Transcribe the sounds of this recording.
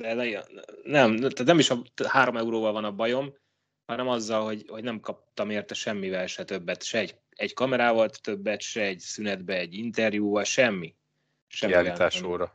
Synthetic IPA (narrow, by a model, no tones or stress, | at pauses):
d̪ɛ | nɛmt̪at̪nɛmiʃɒhaːɾo̞mɛuɾoːvɒlvɒnɒbɒjo̞m | hɒnɛmɒzːɒlho̞ɟho̞ɟnɛmkɒp̚t̪ɒmeːrt̪ɛʃɛmːivɛlʃɛt̪ø̞bːɛt̪ʃɛɛɟ | ɛɟkɒmɛɾaːvɒlt̪t̪ø̞bːɛt̪ʃɛɛɟsynɛd̪bɛɛɟːint̪ɛrjuːvɒlʃɛmːi | ʃɛmiialit̪aːʃoːɾɒ